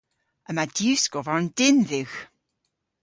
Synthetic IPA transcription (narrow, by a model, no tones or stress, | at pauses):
əmaduwskɔvaɹnd̥ɪnðɪwx